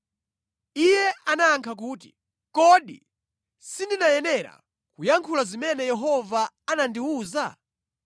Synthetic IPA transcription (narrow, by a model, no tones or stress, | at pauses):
ijɛʔanaːŋkʰak̬uːt̬i̥̰ | kɔɗḭ | sindinajɛnɛɾa̰ | kujaŋkʰulazimɛnɛjɛɦɔvaanandiuːza